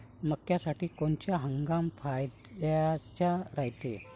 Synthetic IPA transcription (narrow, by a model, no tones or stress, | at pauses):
məkjasaʈiːkoɳt͡ɕjaɦəŋɡamfajd̪at͡ɕaɾajt̪ḛ